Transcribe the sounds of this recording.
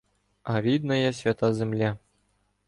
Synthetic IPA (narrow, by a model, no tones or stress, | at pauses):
avʲid̪nɐjɐsʲvʲat̪azʲɛmlʲa